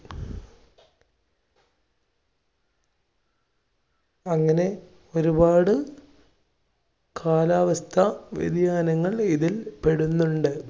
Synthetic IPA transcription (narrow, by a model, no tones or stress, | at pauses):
ɐŋːɐne̞ | o̞ɾubaːɽɨ | kʰaːlaːʋɐst̪ʰɐʋjḭd̪jaːnɐŋːɐɭiðilpe̞ɽunːuɳɖɨ